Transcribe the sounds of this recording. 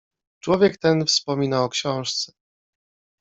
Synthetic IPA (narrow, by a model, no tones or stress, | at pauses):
t͡ʂwɔvʲjɛk̚t̪ɛnfspɔmʲinaɔkɕɔ̃w̃ʂt̪sɛ̥